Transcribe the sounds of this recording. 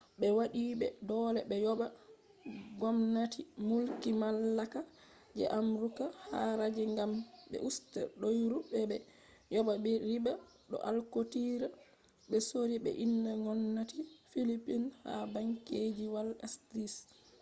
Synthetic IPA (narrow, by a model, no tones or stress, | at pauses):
ɓɛwaɗiːɓɛdɔlɛɓɛjɔɓa | ɡɔmnatimulkimalːaka | d͡ʒɛ̰ʔamɾukahaɾad͡ʒɛŋɡambɛ̰ʔustɛ̰ɾɗɔjɾuɓɛbɛ | jɔbabɛɾiba | ɗɔ̰ʔalkotiːɾa | ɓɛsoɾiɓɛ̰ʔinːaŋɔnːatifilipinha̰baŋked͡ʒiwalɛstɾis